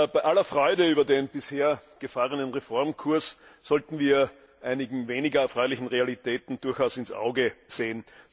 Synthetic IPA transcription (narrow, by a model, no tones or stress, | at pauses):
b̥aɪʔalɐfʁɔʏdəyːbɐdeːnb̥ɪsheːɐɡ̥əfaːʁənənʁefɔɐmkʰuɐsːɔltn̩viːɐ | ʔaɪnɪɡŋ̩veːnɪɡɐɛɐfʁɔʏlɪçn̩ʁealitɛːtn̩d̥ʊɐçaʊsɪnsʔa̰ʊɡəz̥eːən